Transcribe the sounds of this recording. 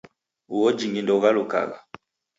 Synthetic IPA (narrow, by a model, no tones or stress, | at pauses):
uwɔd͡ʒiŋindɔuɣaluka̰ɣa̰